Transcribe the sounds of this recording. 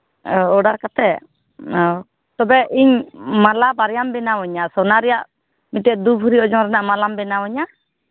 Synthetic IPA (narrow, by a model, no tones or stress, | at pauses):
ɔɔɖaɾkat̪ɛ | ɔ | t̪ɔbɛʔiɲmalabaɾjambɛnawɔɲasɔnaɾɛjaʔ | mitɛʔ̚d̪ubʱuɾiɔd͡ʒɔŋɾɛnaʔmalambɛnawɔɲa